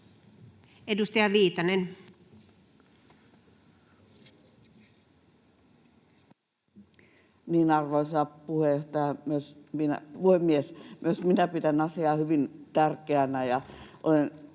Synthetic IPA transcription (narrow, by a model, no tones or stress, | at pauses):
edust̪ɑjɑʋiːt̪ɑnen | niːnɑrʋoisɑpuheoht̪ɑjɑmyøsminæ̰puhemːiesmyøsminæpit̪ænɑsiɑːhyʋint̪ærkeænæjɑʔolen